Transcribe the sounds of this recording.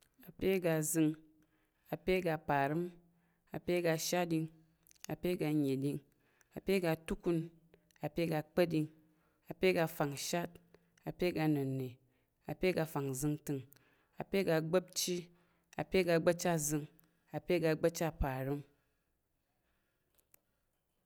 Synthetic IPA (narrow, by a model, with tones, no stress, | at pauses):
a˨pe˦ɡa˧˨zɨ˧ŋ | a˨pe˦ɡa˧pa˨ɾɨ˦m | a˨pe˦ɡa˧ʃa˦di˧ŋ | a˨pe˦ɡa˧ɲe˨di˧ŋ | a˨pe˦ɡa˧tu˦ku˦n | a˨pe˦ɡa˧k͡pə˦tdi˧ŋ | a˨pe˦ɡa˧fa˨ŋ˨ʃa˦t̚ | a˨pe˦ɡa˧nɨ˨nːe˨ | a˨pe˦ɡa˧fa˨ŋzɨ˧ŋtɨ˧ŋ | a˨pe˦ɡa˧ɡ͡bə˦p̚t͡ʃi˦ | a˨pe˦ɡa˧ɡ͡bə˦t͡ʃa˦zɨ˧ŋ | a˨pe˦ɡa˧ɡ͡bɐ˦t͡ʃa˦pa˨ɾɨ˦m